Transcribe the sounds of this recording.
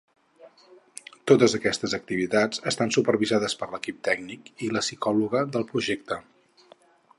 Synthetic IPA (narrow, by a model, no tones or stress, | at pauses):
t̪ot̪əzəkɛst̪əzək̚t̪iβ̞it̪ad͡zəst̪ansupəɾβizaðəspəɾləkip̚t̪ɛɡnikiləsikɔluɣəðəlˠpɾuʒek̚t̪ə